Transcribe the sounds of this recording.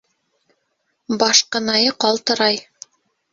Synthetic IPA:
bɑʃqɤ̆nɑjɤqɑlˠt̪ɤ̆ɾɑj

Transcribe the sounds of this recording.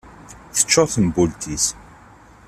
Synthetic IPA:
θə̥t͡ʃːɔθənbult̪ʰis

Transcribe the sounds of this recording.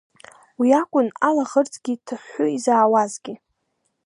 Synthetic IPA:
wiakʷʼʊnalaʁərt͡sʼɡʲitʰɨħʷʊizaːwazɡʲɪ

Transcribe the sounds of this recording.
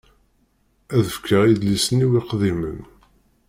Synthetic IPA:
æðəfkʰːəʁiðlisəniwiqðimən

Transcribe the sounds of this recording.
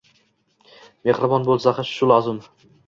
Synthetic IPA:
meχɾɪbɒnbolˠsaχaʃʃʊlɒzɪm

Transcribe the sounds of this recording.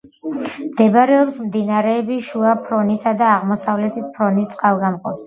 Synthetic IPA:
md̪ɛbɾɛɔpsmd̪inaɾɛːbiʃuapʰɾɔnisad̪aːʁmɔsavlɛt̪ʰispʰɾɔnist̪sʼqʼalˠɡamqʼɔps

